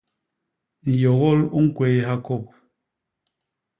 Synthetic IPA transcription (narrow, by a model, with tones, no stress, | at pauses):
n̩˨jɔ˨ɣɔ˦lu˦ŋ̩˦kwɛ˦ha˦ko˦˨p̚